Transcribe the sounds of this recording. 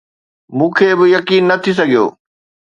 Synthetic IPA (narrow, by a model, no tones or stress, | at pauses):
mũːkʰeːbɪjɐkiːnːɐt̪ʰis̬ɐɡʱijo̰ː